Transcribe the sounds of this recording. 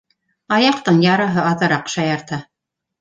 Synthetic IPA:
ɑjɑqt̪ɤɴjɑɾɑɦɤɑðɤ̆ɾɑqʃɑjɑɾt̪ɑ

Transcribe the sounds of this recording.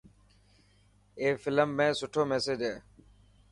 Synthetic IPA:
eːfɪləmːẽːsʊʈʰoːmeːsed͡ʒeː

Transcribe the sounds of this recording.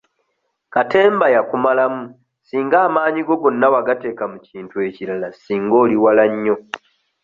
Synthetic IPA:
kate̞ːmbajakumalamu | siːŋɡaːmaːɲiɡo̞ɡo̞nːawaɡate̞ːkamuciːntue̞cilalasiːŋɡo̞ːliwalaɲːo̞

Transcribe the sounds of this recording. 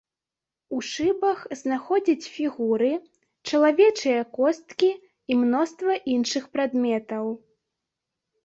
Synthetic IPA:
uʂɨbɐxznaxɔd͡zʲit͡sʲfʲiɣuɾɨ | t͡ʂɐlˠavʲɛt͡ʂɨjɐkɔst̪kʲi | imnɔst̪vɐʔinʂɨxpɾad̪mʲɛt̪ɐw

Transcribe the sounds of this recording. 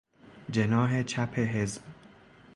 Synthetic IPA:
d͡ʒenɒːɦe̞t͡ʃʰæpʰeɦezb̥

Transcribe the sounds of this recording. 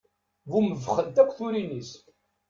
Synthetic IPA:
vuməvχənt̪ækʷːθuɾinis

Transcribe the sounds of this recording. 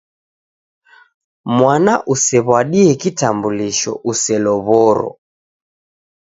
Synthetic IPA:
mwanaʔusɛβwaɗiɛkitambuliʃɔ̰ʔusɛlɔβɔɾɔ̰

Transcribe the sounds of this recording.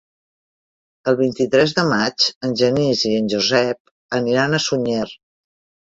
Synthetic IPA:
əlˠβint̪it̪ɾɛzðəmat͡ʃənʲʒəniziənʲʒuzɛp̚ | əniɾanəsuɲer

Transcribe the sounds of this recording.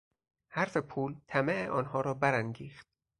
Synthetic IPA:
hæɾfe̞pʰuːlt̪ʰæmeeʔɒːnhɒːɾɒːbæɾæŋɡiːxt̪̚

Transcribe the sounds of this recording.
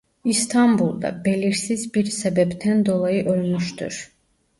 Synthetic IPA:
ist̪ʰɑmbulˠd̪ɑ̰beliɾsizbiɾsɛbɛbt̪ʰænd̪olˠɑjɯʔølmyʃt̪ʰy̰ɾ

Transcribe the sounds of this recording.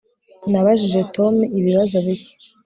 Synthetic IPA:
naβaʒiʒe̞tʰo̞miβiβazo̞βiɟe

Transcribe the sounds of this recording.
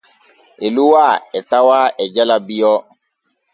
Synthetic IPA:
eluwaɛtawaɛd͡ʒalabijɔ

